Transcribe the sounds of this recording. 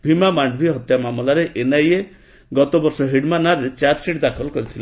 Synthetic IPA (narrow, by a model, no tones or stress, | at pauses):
bʱimamaɳɖbʱiɦɔt̪jamamɔlaɾeʔenaje | ɡɔt̪ɔbɔɾsɔɦiɽmanaɾet͡ʃaɾsiʈd̪akʰɔlkɔɾit̪ʰila